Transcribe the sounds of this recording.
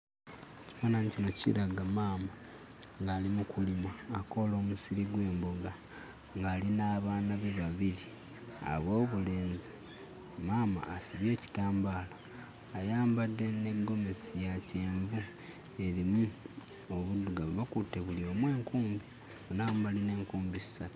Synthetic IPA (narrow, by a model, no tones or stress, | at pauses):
ci̥faːnanicino̞cḭɾaɡamaːma | ŋɡaːlimukulimwaːko̞lo̞ːmusiɾiɡwe̞ːmbo̞ɡa | ŋɡaːlinaβaːnaβe̞βaβiɾi | a̰βwo̞ːβule̞ːnzi | maːma̰ːsiβje̞ːci̥taːmbaːlaː | jaːmbadːe̞ne̞ɡo̞me̞sijace̞ːɱvu | e̞ɾimu | oβuduɡaββakute̞βulio̞ːmwe̞ːŋkuːmbi | onambaline̞ːŋkuːmbisi̥satu̥